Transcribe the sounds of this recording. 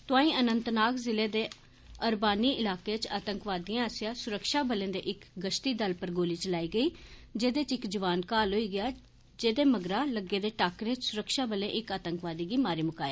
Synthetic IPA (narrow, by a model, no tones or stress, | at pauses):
t̪ʊãːĩːʔənənt̪naːkzɪleːd̪eː | əɾbaːniːʔɪlaːkeːt͡ʃaːt̪əŋkʋaːd̪iːãːəsɪjãːsʊɾəkʃaːbəlẽːd̪ḛːʔɪkɡəʃt̪iːd̪əlpəɾɡoːliːt͡ʃəlaːiːɡəiːd͡ʒeːd̪eːt͡ʃɪkd͡ʒəʋaːnkaːlɦoːiːɡɪjaː | d͡ʒeːd̪eːməɡɾaːləɡeːd̪eːʈaːkɾeːt͡ʃsʊɾəkʃaːbəlẽːʔɪkaːt̪əŋkʋaːd̪iːɡiːmaːɾiːmʊkaːeː